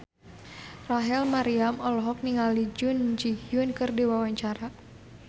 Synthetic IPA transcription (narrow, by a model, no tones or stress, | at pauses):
raɦɛlmaɾiamɔlɔɦɔk̚niŋalid͡ʒʊnd͡ʒihjʊnkɨrdiwawaɲt͡ʃaɾa